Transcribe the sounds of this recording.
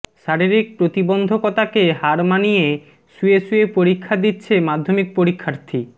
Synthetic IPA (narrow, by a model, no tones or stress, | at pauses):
ʃaɾiɾik̚pɾot̪ibond̪ʱokɔt̪akeɦaɾmanije | suesuepoɾikʰːad̪itːɕʰemad̪ʱːomik̚poɾikʰːaɾt̪ʰi